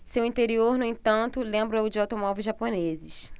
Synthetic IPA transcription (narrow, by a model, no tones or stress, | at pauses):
sewĩt̪eɾioɾnʊ̃ĩt̪ɐ̃nt̪ʊlẽmbɾʊɛwd͡ʒawt̪omɔvewʒaponezɪʃ